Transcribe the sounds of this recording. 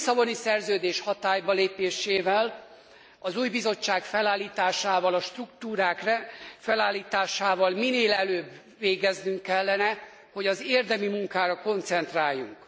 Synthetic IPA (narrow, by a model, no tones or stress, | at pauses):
sɒbo̞nisɛrzøːd̪eːʃhɒt̪aːjbɒleːpeːʃeːvɛl | ɒzuːjbizo̞t͡ʃːaːkfɛlaːlːiːt̪aːʃaːvɒlɒʃt̪rukt̪uːɾaːkrfɛlaːlːiːt̪aːʃaːvɒlmineːlɛløːbː | eːɡɛznyŋkːɛlːɛnɛ | ho̞ɟɒzeːrd̪ɛmimuŋkaːɾɒko̞nt̪sɛnt̪raːjːṵŋk